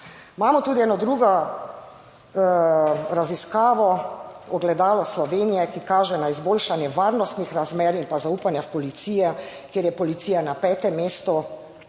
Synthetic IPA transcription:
maːmɔt̪uːd̪iɛːnɔd̪ɾuɡɔ | ɾaziskaːʋɔɔɡlɛd̪aːlɔslɔʋenijɛkikaːʒɛnaizboːlʃanjɛʋaːɾnɔst̪nixɾazmɛːɾinpazauːpanjaxpɔlit̪siːjɛ | kjeːɾjɛpɔlit̪siːjanapɛːt̪ɛmːeːst̪ɔ

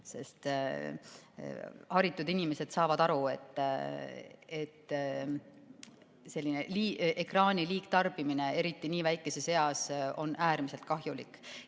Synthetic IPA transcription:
se̞̰st̪ | hɑɾit̪ːˑud̪inime̞se̞d̪̥sɑːvɑd̪ɑɾue̞t̪ːˑ | et̪ː | se̞lʲːine̞liːʔekrɑːnʲiliːkt̪ɑrb̥imine̞e̞ɾit̪ˑːiniːvæjkːˑe̞se̞se̞ɑso̞̰nʔæːɾmiselt̪̚kɑɦjulikːˑ

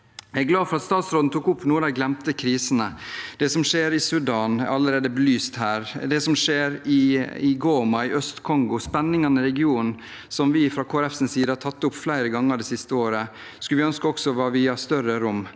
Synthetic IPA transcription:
æɡlɑːfɔɾɑt̪st̪ɑːt̪sɾoːd̪n̩t̪ʰuːkʊpːnuːəd̪æɪɡlɛmt̪əkʰɾiːsnəd̪̥ɛsɔmʂeːɾɪsʉɖɑːnʔɑlːəɾeːd̪əbəlyːst̪hæːɾd̪ɛsɔmʂeːɾɪɪɡoːmɑɪʔœst̪kʰɔŋɡʊspɛnːɪŋɑnɪɾɛɡɪuːnn̩ | sɔmʋɪfɾɑkʰoːæɾɛfsən̩siːd̪əɑt̪ʰɑt̪ːʊpflæɪɾəɡɑŋːəɖɛːsɪst̪əoːɾə | skʉlʋɪœnskəɔksɔʋɑːʋɪɑst̪œɾəɾʊmː

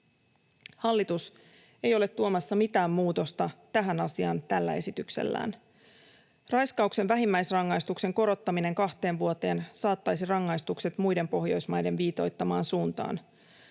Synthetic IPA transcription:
hɑlːit̪us | e̞jo̞le̞t̪ːuomɑsːɑmit̪æːmːuːt̪o̞st̪ɑt̪æɦænɑsiɑnt̪ælːæ̰e̞sit̪yksḛlːæ̰ːn | rɑjskɑukse̞ʋʋæɦimːæjsrɑŋːɑjst̪ukse̞ŋko̞ɾo̞t̪ːɑmine̞ŋkɑht̪e̞ːnʋuo̞t̪e̞ːnsɑːt̪ːɑjsirɑŋːɑjst̪ukse̞t̪mujde̞mpo̞hjo̞jsmɑjde̞nʋiːt̪o̞jt̪ːɑmɑːnsuːnt̪ɑ̰ːn

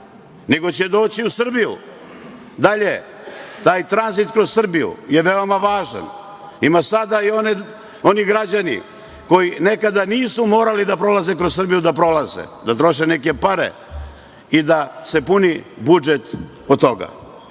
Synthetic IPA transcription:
ne̞ɡo̞t͡ɕed̪o̞ːt͡ɕiusr̩bijṵ | d̪aʎe | t̪aːjt̪ɾanzit̪kɾo̞zssr̩bijṵje̞ʋeomaʋaːʒa̰n | imasad̪aione | o̞niɡɾad͡ʑanḭ | ko̞jinekad̪aniːsumo̞ːɾalid̪apɾo̞lazekɾozs̬r̩bijud̪apɾo̞lazḛd̪at̪ɾo̞ʃenek̬e̞paɾḛ | id̪ase̞punibud͡ʒet̪ | ot̪oɡa̰

